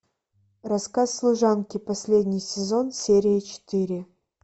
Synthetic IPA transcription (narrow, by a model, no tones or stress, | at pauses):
rɐskasːlˠʊʐankʲɪpɐsʲlʲedʲnʲɪjsʲɪzo̞nsʲeɾʲɪjət͡ɕɪ̥t̪iɾʲɪ